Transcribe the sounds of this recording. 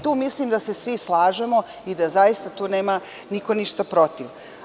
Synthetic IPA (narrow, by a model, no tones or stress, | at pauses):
t̪uːmislimd̪asesʋislˠaːʒemo | id̪azajist̪at̪uːneːma | nikoniʃt̪apɾot̪iʋ